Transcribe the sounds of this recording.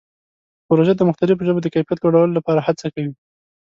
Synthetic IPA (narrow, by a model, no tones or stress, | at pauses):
pɾoʒed̪əmʊxt̪alɪf̬ʒobed̪əkajfijat̪loɽawəlolapɑɾahat͡sakawi